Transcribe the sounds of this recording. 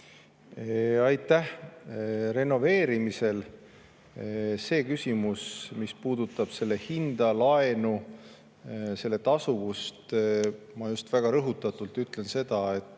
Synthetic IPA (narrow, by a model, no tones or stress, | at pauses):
ɑjt̪ːˑæh | re̞no̞ve̞ːɾimise̞l | se̞ːkysʲimusmispuːd̪̥ut̪ːˑɑb̥se̞lːehind̪̥ɑlɑenu | se̞lːe̞t̪ɑsuvust̪ | mɑjust̪væɡ̥ɑɾɤɦut̪ːˑɑt̪ˑult̪yt̪le̞nse̞d̪̥ɑe̞t̪ːˑ